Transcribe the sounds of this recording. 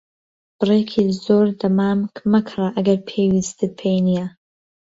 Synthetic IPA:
b̥ɨreːkʰiːzoːɾd̪ɐmaːmkʰmɐkʰraʔɐɡɐɾpʰeːwist̪ɨpʰejnija

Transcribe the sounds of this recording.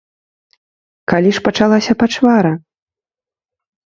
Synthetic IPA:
kalʲiʂpɐt͡ʂalˠasʲɐpat͡ʂvaɾɐ

